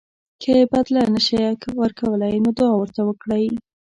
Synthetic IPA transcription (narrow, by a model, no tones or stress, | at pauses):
kʰebad̪lanəʃajakwəɾkʰawəlajnod̪oawəɾt̪awəkɽaj